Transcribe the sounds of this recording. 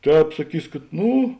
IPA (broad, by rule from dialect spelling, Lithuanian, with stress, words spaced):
ˈtʲɛːp sɐˈkʲiːs kɐt ˈnʊ